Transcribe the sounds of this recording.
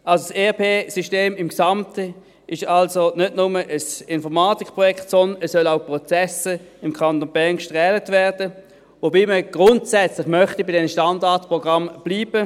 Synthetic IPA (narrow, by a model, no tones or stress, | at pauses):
ʔalsoseːpʰeːsiʃteːmɪmksamtə | ʔɪʃalsonʏdnʊməʔəsɪnfɔʁmaːtikpʁɔjɛktsɔndnɛssœlaʊpʁɔt͡sɛsəɪmkʰant̪onbɛŋkʃtʁɛːlətvɛɐʁdə | vobiːməɡ̥ʁʊntsɛt͡slɪχmœχtibɪdɛnəʃtandaɐtpʁɔɡ̥ʁamb̥liːb̥ə